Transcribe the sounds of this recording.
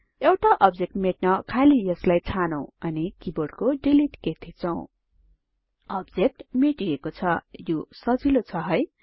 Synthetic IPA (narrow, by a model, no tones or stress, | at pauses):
ewʈaʔʌb̚d͡zek̚ʈmeʈnʌkʰalijʌslajt͡sʰanow̃ʌnikiboɽkoɖiliʈket̪ʰit͡sʰʌw̃ | ʌbd͡zek̚ʈmeʈiekot͡sʰʌjosʌd͡zilot͡sʰʌɦʌj